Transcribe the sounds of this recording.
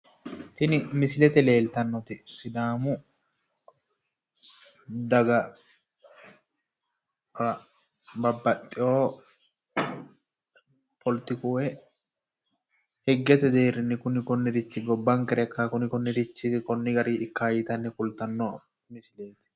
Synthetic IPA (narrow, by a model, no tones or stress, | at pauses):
t̪ɪnɪmɪsɪlɛt̪ɛle̞ːlt̪ɐnːɔt̪ɪsɪd̪aːmʊ | d̪ɐɡɐ | ɾɐ | bɐbːɐt̪ʼːɪʔoː | pʰɔlt̪ɪkuːɛ | hɛɡːɛt̪ɛd̪eːɾːɪnːɪkʊnɪkʊnːɪɾɪt͡ʃːɪɡɔbːɐŋkɛɾɛkːakʊnɪkɔnːɪd̪ɪt͡ʃːɪkɔnːɪɡɐɾiːɪkːaːjɪt̪ɐnːɛkʊlt̪ɐnːɔ | mɪsɪleːt̪ɛ̥